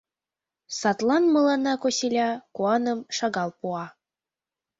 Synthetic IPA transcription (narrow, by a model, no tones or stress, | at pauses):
sɑt̪lˠɑnmɤ̆lˠɑnɑkosʲilʲɑkuɑnɤmʃɑɣɑlˠpuɑ